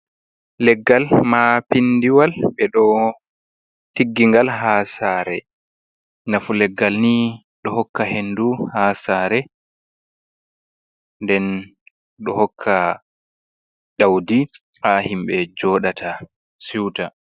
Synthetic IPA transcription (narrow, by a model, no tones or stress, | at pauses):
lɛɡːalmapindiwalɓɛɗɔ | tiɡːiŋɡalɦasaːɾɛ̰ | nafulɛɡːalni | ɗɔɦɔkːaɦenduhaːsaːɾɛ | ndɛn | ɗɔhɔkʰːa | ɗawdi | hahimɓɛd͡ʒɔɗatʰa | siwta